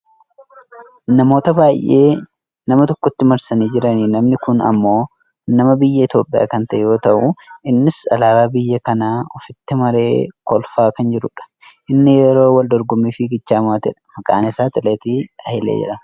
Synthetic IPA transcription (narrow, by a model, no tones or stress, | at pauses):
nɐmo̞ːt̪ɐbaːjʔeː | nɐmɐt̪ɔkːɔt̪ːɪmɐɾsɐniːd͡ʒɪɾɐniːnɐmnɪkʊnɐ̰mːo̞ː | nɐmɐbɪjːɐɪt̪jo̞ːpʼɪ̰ja̰ːkɐnt̪ɐʔɛjo̞ːt̪ɐʔʊɪnːɪsɐ̰laːbaːbɪjːɐkɐnaːɔfɪt̪ːɪmɐɾe̞̰ːkɔlfaːkɐnd͡ʒɪɾʊᶑɐ̥ | ʔɪnːɪjɛɾo̞ːwɐld̪ɔɾɡʊmːiːfɪɡɪt͡ʃːaːmaːt̪ɛᶑɐ̥mɐkʼa̰ːnɪsaːt̪ɪleːt̪iːɐɪlḛːd͡ʒɪ̰ɾɐn